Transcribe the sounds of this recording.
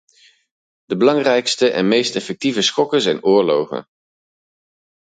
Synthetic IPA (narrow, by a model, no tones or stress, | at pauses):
d̥əbəlɑŋrɛjkstəʔɛ̰nmejstɛfɛk̚tivəsχɔkənzɛjnʊːɹlowχə̰n